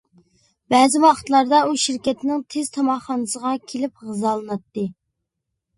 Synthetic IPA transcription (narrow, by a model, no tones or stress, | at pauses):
bɛzɪwɑχə̥t̪lˠɑɾd̪ɑuʃiɾkʲɛt̪nɪŋt̪ʰez̥t̪ʰɑmɑχɑnɨsəʁɑkʲʰelɪp̚ʁəzɑlˠɨnɑt̪ːɨ